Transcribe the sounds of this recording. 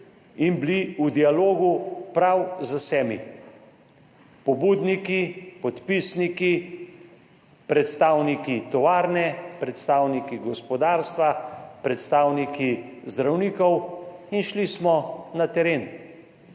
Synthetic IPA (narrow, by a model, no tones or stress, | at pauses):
inbliud̪ialoːɡupɾawzasɛːmi | pɔbud̪nikipɔt̪pisniki | pɾɛt̪st̪aːwnikit̪ɔʋaːɾnɛpɾɛt̪st̪aːwnikiɡɔspɔd̪aːɾst̪ʋapɾɛt̪st̪aːwnikizd̪ɾawniːkɔwinʃlismɔnat̪ɛɾeːn